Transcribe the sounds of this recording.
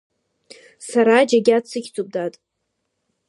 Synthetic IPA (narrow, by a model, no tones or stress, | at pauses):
saɾaːd͡ʒaɡʲat͡sʰɨkʲʰt͡sʼub̚datʼ